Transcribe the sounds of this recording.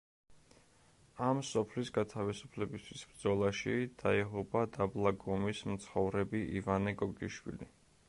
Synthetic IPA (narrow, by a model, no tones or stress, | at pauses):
amsɔpʰlisɡat̪ʰavisu̥pʰlɛbist̪ʰwisb̥ɾd̪zɔlˠaʃid̪̥aiʁɔbad̪ablˠaɡɔmismt̪sʰχɔvɾɛbiʔivanɛɡɔɡiʃwḭli